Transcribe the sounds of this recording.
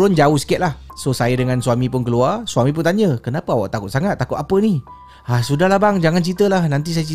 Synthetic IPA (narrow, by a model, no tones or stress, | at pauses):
ɾʊnd͡ʒauhsə̥kɛt̪̚lahsosajədəŋansuwamĩpʊnkəluarsuamĩp̬ʊnt̪aɲəkənapaawaʔt̪akʊt̪̚saŋat̪̚ːakʊt̪apəni | asudahlahbaŋd͡ʒaŋant͡ʃit̪əlahnant̪̬is̬ajat͡ʃi